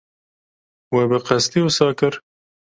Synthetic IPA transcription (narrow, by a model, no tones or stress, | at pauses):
wɛbɨqɛst̪iusɑːkɨɾ